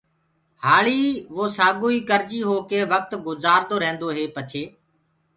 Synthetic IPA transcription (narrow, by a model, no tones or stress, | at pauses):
haːɭiːʋoːsaːɠoːiːkəɾd͡ʒiːɦoːkeːʋək̚t̪ɡʊzaːɾd̪oːɾẽːnd̪oːɦeːpət͡ʃʰeː